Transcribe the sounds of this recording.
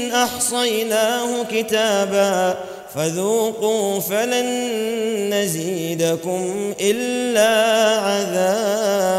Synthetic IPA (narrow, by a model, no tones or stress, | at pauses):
nʔɑħsˤɑjnaːhʊkɪt̪aːbaː | faðuːquːfalanː | aziːd̪akʊmʔɪlːaːʕaðaː